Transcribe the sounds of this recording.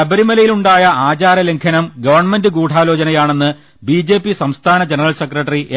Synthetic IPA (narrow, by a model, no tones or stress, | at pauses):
ɐbɐɾimɐlɐjiluɳɖaːjɐaːt͡ɕaːɾɐleŋkʰɐnɐmɡɐʋɐrɳɐme̞ndɨkuːʈʰaːlo̞ːt͡ɕɐnɐjaːɳe̞nːɨ | biːd͡ʑe̞ːpːisɐmst̪ʰaːnɐd͡ʑenɐrɐlsekrɐʈːɐriʔe